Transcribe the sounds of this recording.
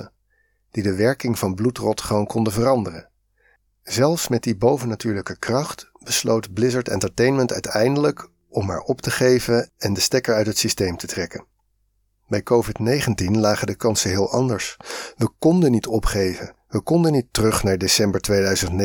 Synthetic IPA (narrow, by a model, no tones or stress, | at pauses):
ə | d̥idəʋɛɹkɪŋvɑnblutrɔtχəʋownkɔndəvərɑndərə̰ | zɛlˠfsmɛt̚dibowvənatyːɹləkəkrɑχt | b̥əslowtblɪzəɹtɛ̰ntəɹtejnməntœ̰ɥtɛjndələk | ɔmɦa̰ːɹɔptəχejvənɛndəstɛkəɹœɥtɦətsistejmtətrɛkən | bɛjkowvɪtnejχəntinlaːχədəkɑnsəɦɪːlˠʔɑndəɹsʋəkɔndənitʰɔpχejvəʋəkɔndənitərɵχnaːɹdesɛmbəɹtʋejdœɥzəntn